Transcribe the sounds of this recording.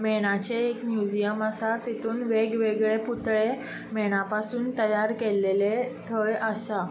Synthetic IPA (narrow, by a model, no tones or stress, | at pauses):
meɽ̃at͡ɕeːkmjud͡ʑijəməsat̪it̪ʰuːnʋeɡʋeɡɭeput̪ɭe | meɽ̃apasuːnt̪əjaɾkelːelet̪ʰəjəsa